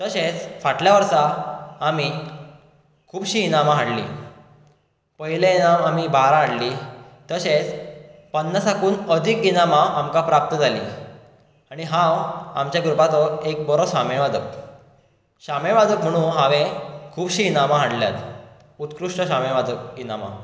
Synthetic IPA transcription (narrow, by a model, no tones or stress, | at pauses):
t̪əɕet͡sfaʈljaʋəɾsaːmi | kʰuːbɕiːnamaɦaɽlḭː | pəɦilẽinamamibaɾãɦaɽliː | t̪əɕet͡spənːəsakuːnəd̪ʱikːinamaʔamkapɾap̚t̪əd͡zʱalḭː | aɽ̃iɦãwa̰mt͡ɕjaɡɾupat̪ɔek̚bɔɾɔɕameʋad͡zəp̚ | ɕamẽʋad͡zək̚m̤əɽ̃ũːnɦãʋekʰuːbɕiːnamaɦaɽlja̰t̪ | ut̪kɾuʂʈəɕameʋad͡zək̚ɡinama̰